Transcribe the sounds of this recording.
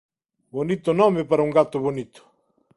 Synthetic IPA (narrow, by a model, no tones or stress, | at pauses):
bonit̪onɔmepaɾauŋɡat̪oβonit̪o̥